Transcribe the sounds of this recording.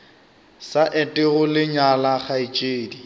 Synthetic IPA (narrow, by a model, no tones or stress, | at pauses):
saʔɪtʼɪɣʊlɪɲalaχait͡ʃʼeːdi